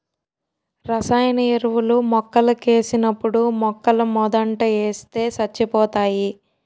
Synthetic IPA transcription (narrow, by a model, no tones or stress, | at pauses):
ɾɐsaːjɐnɐeɾuʋulumɔkːɐlɐkeːsinɐpːuɽumɔkːɐlɐmɔd̪ɐɳʈɐeːst̪e̞ːsɐt͡ʃːipɔːt̪aːji